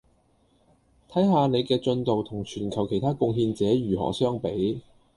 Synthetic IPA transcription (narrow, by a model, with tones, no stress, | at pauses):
t̪ʰɐ˨˥jɦaː˨˧ne˨˧jkɛː˧t͡ʃɵ˧nt̪o˨wt̪ʰʊ˨˩ŋt͡ʃʰyː˨˩nkʰɐ˨˩wkʰe˨˩jt̪ʰaː˥kʊ˧ŋɦiː˧nt͡sɛː˨˥ɥyː˨˩ɦɔ̰ː˨˩sœː˥ŋpe˨˥j